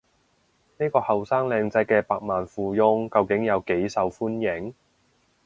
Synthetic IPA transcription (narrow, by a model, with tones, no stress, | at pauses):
ne˥jkɔː˧hɐ˨wsaː˥ŋlɛː˧ŋt͡sɐ˧jkɛː˧paː˨˧k̚maː˨nfuː˨˧jʊ˧ŋkɐ˧wkɪ˨˥ŋjɐ˨˧wke˨˥jsɐ˨wfuː˥njɪ˨˥ŋ